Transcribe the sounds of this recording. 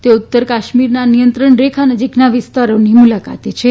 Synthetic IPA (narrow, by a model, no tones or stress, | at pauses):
t̪eut̪ːəɾkaʃmiɾnanijənt̪ɾəɳɾekʰanəd͡ʒiknaʋɪst̪aɾonimulaka̰t̪et͡ʃʰe